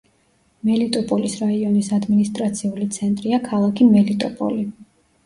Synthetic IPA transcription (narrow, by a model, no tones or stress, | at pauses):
mɛlit̪ʼɔpʼɔlisɾaiɔnisad̪minist̪ʼɾat̪sʰiulit̪sʰɛnt̪ʼɾiakʰalˠakʰimɛlit̪ʼɔpʼɔ̰li